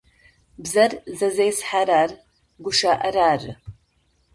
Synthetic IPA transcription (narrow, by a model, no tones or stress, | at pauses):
bzɐrzɐzejsħaɾaːr | ɡʷʊʃaːʔɐɾaːrɨ